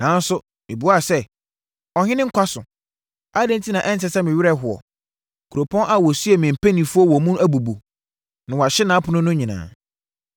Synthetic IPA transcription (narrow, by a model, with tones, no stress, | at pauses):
nã˨n˦sʊ˦ | mɪ̰̃˨bu˨˦a˦˨sɛ˦ | ɔ˨hɪ̃˦nɪ̃˦ŋ̩˦kʷʰa˦sʊ˨ | a˦dɛ̃˦n˦tʰi˦nã˨ʔɛ˦ntɛ˨sɛ˦mɪ̃˨ɥɪ˦ɾɛ˦˨˦ɦʊ˨ɔ̰˨ | kʰu˨ɾo˨pʰɔ̃˦nʔa˨wɔ˨su˦ɛ˨mĩ˨m̩˨pʰæ˦nĩ˨fu˦ɔ˦wɔ˨mũ˦næ˦bu˨bu˨ | nã˨wɔ˨a˨ɕɪ˦nã˨˦pʰʊ˨nʊ̃˦nʊ̃˦ɲĩ˨nã̰ː˨